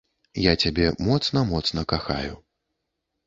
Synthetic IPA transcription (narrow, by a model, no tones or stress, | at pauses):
jat͡sʲabʲɛmɔt̪snɐmɔt̪snɐkaxa̰ju